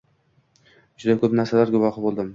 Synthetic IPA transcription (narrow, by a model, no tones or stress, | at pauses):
d͡ʒʊd̪akʰɵpnaɾsalaɾɡʊvɒχɨbolˠd̪ɪm